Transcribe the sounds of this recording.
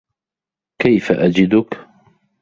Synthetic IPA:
kajfaʔad͡ʒɪd̪ʊk

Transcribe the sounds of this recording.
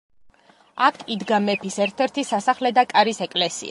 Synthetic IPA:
akʰʼid̪ɡamɛpʰisɛɾt̪ʰɛɾt̪ʰisasaχlɛd̪akʼaɾisɛkʼlɛsḭa

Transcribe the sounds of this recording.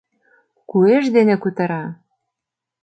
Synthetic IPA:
kueʃd̪enĕkut̪ɤ̆ɾɑ

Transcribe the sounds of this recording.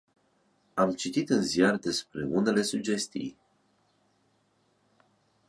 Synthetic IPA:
amt͡ʃit̪it̪ɨnzijard̪e̞spɾe̞une̞le̞sud͡ʒe̞st̪ḭj

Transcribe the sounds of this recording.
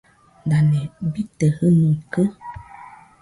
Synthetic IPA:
danɛ̃bitəhənũkə

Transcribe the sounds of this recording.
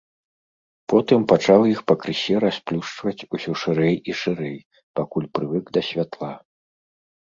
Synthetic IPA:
pɔt̪ɨmpat͡ʂawjixpɐkɾɨsʲɛɾasplʲuʂt͡ʂvɐt͡sʲusʲɔʂɨɾɛjiʂɨɾɛj | pakulʲpɾɨvɨɡd̪ɐsʲvʲat̪lˠa

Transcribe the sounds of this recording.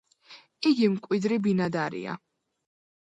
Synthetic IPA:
iɡimkʼwid̪ɾibinad̪aɾḭa̰

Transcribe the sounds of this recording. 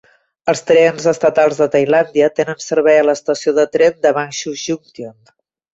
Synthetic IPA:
əlˠst̪ɾɛnzəst̪ət̪alˠzðət̪əjland̪iət̪enənsəɾβɛjələst̪əsioðət̪ɾɛnd̪əβanʃuʒuŋt̪on

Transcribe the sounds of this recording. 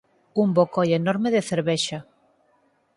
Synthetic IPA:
umbokojenoɾmeðeθeɾβeʃa

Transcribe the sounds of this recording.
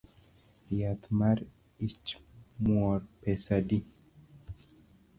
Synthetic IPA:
jat̪maɾ | it͡ʃmwɔɾpɛsadi

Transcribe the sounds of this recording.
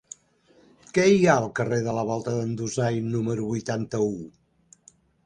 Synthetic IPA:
kɛiaəlˠkəreðələβ̞ɔlˠt̪əðənd̪uzajnuməɾuβujt̪ant̪əu

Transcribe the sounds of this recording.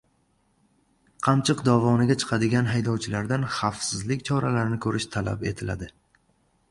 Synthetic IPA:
qʰɑmt͡ʃʰɨqd̪ɒvɒnɪɡʲat͡ʃʰɨ̥qʰɑd̪ɪɡʲanɦajd̪ɒwt͡ʃʰɪlaɾd̪anχɑfsɪzlɪkʲt͡ʃʰɒɾalaɾɪnɪkʰɵɾɪʃt̪ʰala̰pe̞t̪ʰɪla̰d̪ɪ

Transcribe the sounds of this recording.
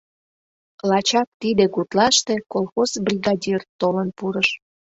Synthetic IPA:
lɑt͡ɕɑk̚t̪id̪ekut̪lɑʃt̪e̽kolxozbrʲiɣɑdʲirt̪olənpuɾəʃ

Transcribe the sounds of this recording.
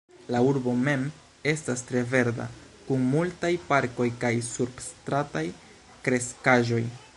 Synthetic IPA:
lauɾbo̞me̞m | e̞stastɾe̞ve̞ɾda̰ | kunmultajpaɾko̞jkajsuɾbstɾataj | kɾe̞skaʒo̞j

